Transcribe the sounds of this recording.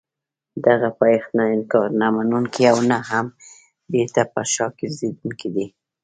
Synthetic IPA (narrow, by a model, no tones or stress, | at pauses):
d̪aɣapɑjxt̪naɪnkɑɾnamanuŋkiawnaɦam | beɾt̪apaʃɑkezid̪unkid̪i